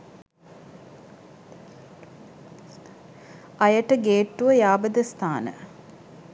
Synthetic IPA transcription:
ɐjəʈəɡeːʈːuʋəjaːbəd̪əst̪ʰaːnə̰

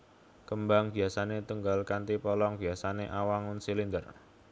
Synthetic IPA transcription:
kəmbaŋb̥i̤asanet̪uŋɡalkant̪ipɔlɔŋb̥iasaneʔawaŋʊnsilind̪ər

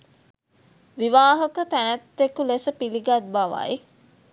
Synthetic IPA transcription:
ʋiʋaːɦəkət̪ænæt̪ːekulesəpiliɡat̪̚baʋa̰j

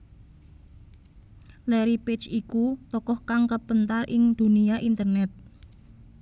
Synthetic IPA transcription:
lɛɾipɪt͡ʃikut̪ɔkɔhkaŋkəpənt̪arʔɪŋd̪̥ṳniaʔint̪ərnɛt̪̚

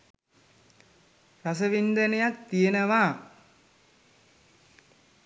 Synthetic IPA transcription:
ras̬əʋind̪ənejak̚t̪ijenəʋaː

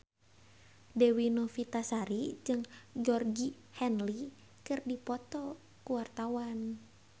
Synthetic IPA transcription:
dɛwinɔfit̪asaɾid͡ʒɨŋɡɔrɡi | hɛnli | kɨrdipɔt̪ɔ | kuwart̪awan

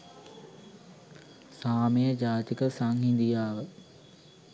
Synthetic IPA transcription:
saːməjəd͡ʒaːt̪ikəsaŋɦind̪ijaːʋə

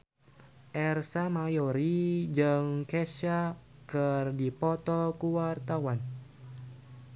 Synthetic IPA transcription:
ʔɛrsamajɔɾid͡ʒəŋkɛsakərdipɔt̪ɔkuwart̪awan

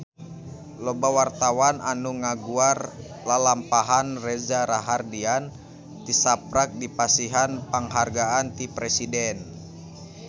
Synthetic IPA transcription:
lobawart̪awanʔanuŋaɡuar | lalampaɦanrɛzaɾaɦardian | t̪isap̚ɾak̚dipasiɦanpaŋɦarɡaant̪ipɾɛsidɛn

